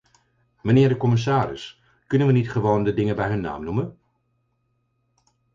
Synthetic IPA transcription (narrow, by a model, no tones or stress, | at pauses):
mənɪːɹdəkɔmɪs̬aːɾɪ̰s | kɵnənʋənitχəʋowndədɪŋəbɛjɦɵnːa̰ːmnumən